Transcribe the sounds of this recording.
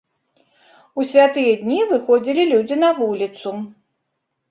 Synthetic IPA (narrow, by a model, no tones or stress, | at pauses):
usʲvʲat̪ɨjɐd̪ʲnʲivɨxɔd͡zʲilʲilʲud͡zʲinɐvulʲit̪su